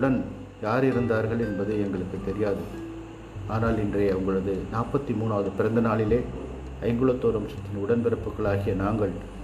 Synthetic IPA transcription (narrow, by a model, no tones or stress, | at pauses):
ʊɽɐn | jaːɾɪɾɯnd̪aːɾɣɐɭɛnbɐðɯɛŋɡɐɭɯkːɯt̪ːɛɾɪjaːðɯ | aːnaːlɪndrɐjɐʋɐŋɡɐɭɐðɯnaːpːɐt̪ːimuːnaːʋɐðɯpɪɾɐnd̪ɐnaːɭɪleː | ɐɪŋɡɯɭɐt̪ːoːɾɐmt͡ʃːɐt̪ːɪnʊɽɐnpɪɾɐpːɯkːɐɭaːɣɪjɐnaːŋɡɐɭ